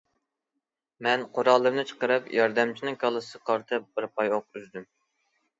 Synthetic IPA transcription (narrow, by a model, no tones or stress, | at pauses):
mɛnqʰoɾɑlˠːɨɾnɨt͡ʃʰə̥qəɾɨpjɑɾd̪ɛmt͡ʃʰinɪŋkʰɑlˠɨsɨqʰɑɾt̪ʰɨp̚b̥ɪɾpʰɑjoq̚yzd̪ym